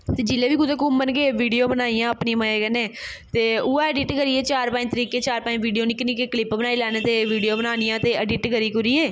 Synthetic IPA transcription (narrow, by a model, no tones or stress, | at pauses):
t̪eːd͡ʒɪleːʋiːkʊd̪ekumːənkeːʋiːɖijoːbənaːijãːəpnĩməeːkəneːt̪eːʊːaːəɖɪʈkəɾiːeːt͡ʃaːɾpaːɪ̃ɲt̪əɾiːkeːt͡ʃaːɾpaːɪ̃ʋiːɖijoːnɪknikeklɪpbənaːiːlaːneːt̪eːʋiːɖijoːbənaːnijãːt̪eːəɖɪʈkəɾiːkʊɾiːeː